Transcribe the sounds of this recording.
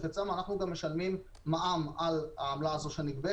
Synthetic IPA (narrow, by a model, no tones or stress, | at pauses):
fet͡samanaχnuɡamːeʃalmimː | aʔamalaamlaːzo̞ʃaniɡbe